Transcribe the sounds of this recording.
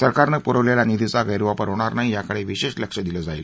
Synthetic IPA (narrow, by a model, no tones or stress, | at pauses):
səɾkaɾnəpuɾəʋljalanid̪ʱit͡saɡəjɾuʋapəɾɦoɽ̃aɾnaɦijakəɽeʋiɕeʂləkʂəd̪iləd͡zail